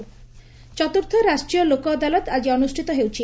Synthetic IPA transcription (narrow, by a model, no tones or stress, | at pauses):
t͡ʃɔt̪uɾt̪ʰɔɾasʈɾijɔlokɔad̪alɔt̪ad͡ʒiɔnusʈʰit̪ɔɦewt͡ʃʰi